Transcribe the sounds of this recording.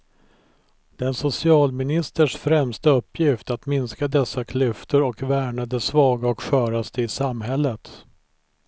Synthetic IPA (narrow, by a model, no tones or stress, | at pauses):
d̪̥ɛnsʊsɪɑːlmɪnɪst̪əʂfɾɛmst̪aɵpːjɪft̪at̪mɪnskad̪ɛsːakʰlʏft̪əɾɔkvæːɳad̪əsvɑːɡaɔkɧœːɾast̪əɪsamɦɛlːət̪